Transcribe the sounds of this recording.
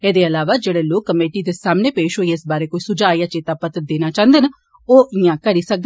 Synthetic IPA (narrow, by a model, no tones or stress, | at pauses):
eːd̪eːəlaːʋaːd͡ʒeːɽeːloːkːəmeːʈiːd̪eːsaːmneːpeːʃɦoːiːɪsbaːɾeːkoːiːsʊd͡ʒaːijãːt͡ʃeːt̪aːpət̪əd̪eːnaːt͡ʃãːnd̪eːn | oːʔɪãːkəɾiːsək̚d̪